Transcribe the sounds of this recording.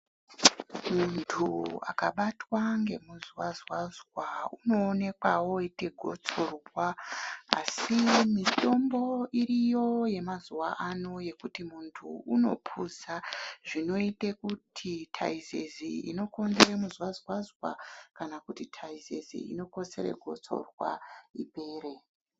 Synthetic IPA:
muntʰua̰kaɓatwaŋɡe̞muzwazwazwauno̞ːne̞kwawo̞ite̞ɡʱo̞t͡sorubwaa̰simito̞mbo̞iɾijo̞je̞mazuwaʔano̞je̞kutimuntʰṵuno̞̰pʰuzaʐino̞itekutʰitʰa̰izeziḭno̞ko̞ndeɾemuzwazwazwa̰kanakutitʰaizezḭḭno̞ko̞se̞̰ɾḛɡʱo̞t͡so̞̰rwa̰ipe̞ːɾe̞

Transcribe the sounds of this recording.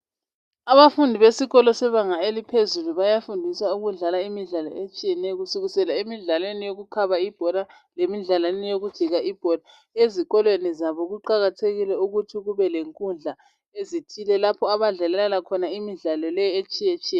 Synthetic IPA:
aβafundʱiβesiɣɔlɔsɛβaŋaelipʰezuluβajafundʱisauɣuɮalaimiɮalɔ̰et͡ʃʼijɛnɛɣusuɣisɛlaemiɮalwenijoɣukʰaβaib̥ʱɔla | lemiɮalwannijoɣud̥ʒ̥ʱiɣaʔib̥ʱɔla | eziɣɔlwenizaβɔɣuǃaɣatʰeɣilɛuɣutʰiɣuβɛleŋkʼund͡ɮʱa | ezitʰilɛlapʰɔaβaɮɛlɛɛlakʰɔnaimiɮalɔlɛjɔet͡ʃʼijet͡ʃʼiɛ

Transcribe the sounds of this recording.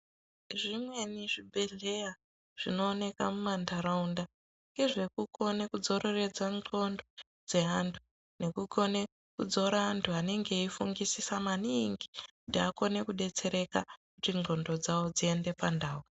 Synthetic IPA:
ʐimwe̞niʐibʱe̞ɮe̞ja | ʐ̥ino̞ːne̞ka̰mumandaɾaunda | ŋɡe̞ʐe̞kuko̞nekud͡zo̞ɾʔo̞re̞d͡zaŋo̞ndo̞ | d͡ze̞ɦantʰu̥ | ne̞kuko̞ne | kud͡zo̞ɾaantʰuane̞ŋɡe̞ifuŋɡisisamaniŋɡikutiako̞ne̞kuɗe̞t͡se̞ɾe̞kakutiŋo̞ndo̞d͡zawo̞d͡zie̞nde̞pandaːɦu

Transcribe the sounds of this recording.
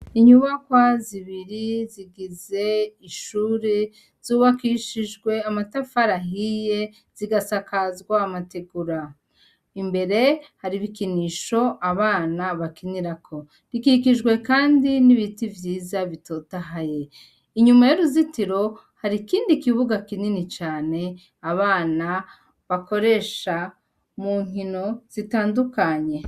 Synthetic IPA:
iɲuβakwaziβiɾiziɡize̞iʃuːɾe | z̥uːβakiʃiʒɡwe̞amatafaɾaɦije̞ | z̥iɡasakazɡwaːmateɡuɾa | imbe̞ɾe̞haɾiβikiniːʃo̞aβaːnaβakiniɾakʰo̞ | ɾikikiʒɡwe̞kaːndiniβitivjiːzaβitoːtaɦaje̞ | iɲumajoɾuzitiɾo̞ | haɾikiːndikiβuɡakininit͡ʃaːne̞ | aβaːna | βako̞ɾe̞ʃa | muːŋ̥ino̞z̥itaːndukaɲe̞

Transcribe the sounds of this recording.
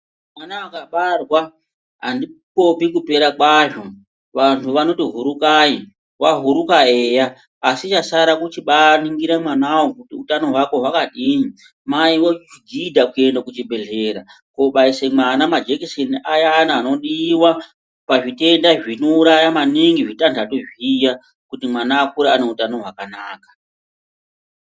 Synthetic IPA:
manaakaɓarwa | ɦandipo̞pikupe̞ɾakwaʐo̞ | ʋantʰuʋano̞tiɦuɾukaji | waɦuɾukaeːjaː | sit͡ʃasaɾakut͡ʃiɓaniŋɡiɾamanawokutiutano̞ɦwako̞ɦwakaɗiɲi | maiwot͡ʃiɡidʱakue̞ndakut͡ʃibʱe̞ɮeɾa | ko̞ɓaisemwanamad͡ʒekiseniajanaːno̞ɗiːwa | paʐite̞ndaʐino̞uɾajamaniŋɡiʐitantʰatoʐija | kutimwanaːkuɾaːneutanoɦwakanaːkḁ

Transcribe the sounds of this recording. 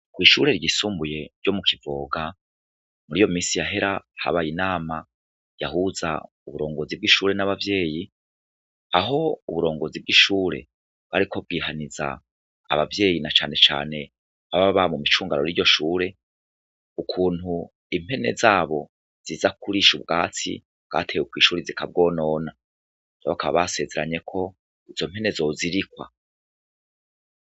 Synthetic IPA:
kwiʃuɾe̞ɾɟisuːmbuje̞ɾɟo̞mukʰivoːɡa | muɾijo̞miːsijaɦe̞ɾaha̰βajinaːma | ja̰ɦuza̰ | uβuɾo̞ːŋɡo̞zib̚ɡiːʃuːɾe̞naβavje̞ːji | aɦo̞uβuɾo̞ːŋɡo̞zib̚ɡiːʃuːɾe̞̰ | βaɾikʰo̞b̚ɡiːhaniza̰ː | βavje̞ːjinat͡ʃa̰ːne̞t͡ʃa̰ːne̞ | βaβaββamumit͡ʃuːŋɡanoɾijo̞ʃuːɾe̞ | ukʰuːnhu | im̥e̞ne̞̰zaːβo̞ | z̥izakuɾiʃubɡaːt͡sḭ | ɡ̥a̰ːtʰe̞ːjukwiːʃuːɾizikʰab̚ɡo̞ːno̞ːna | naβakaβa̰βase̞ːze̞ɾaɲe̞kʰo̞ | izo̞m̥e̞ne̞zoziɾikwa̰

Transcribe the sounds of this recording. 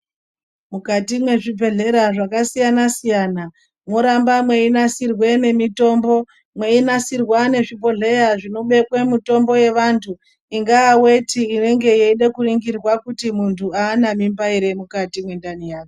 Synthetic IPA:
mukatimwe̞ʐibʱe̞ɮe̞ɾaʐakasijanasijana | moɾambamwe̞inasirwe̞ne̞mito̞mbo̞ | mwe̞inasirwane̞ʐipo̞ɮe̞jaʐino̞ɓe̞kwemito̞mbo̞je̞ʋantʰu | iŋɡaːwe̞tiːne̞ŋɡe̞jeiɗekuriŋɡirwakutimuntʰuaːnamimbaiɾe̞mukatimwe̞ndanijaːke

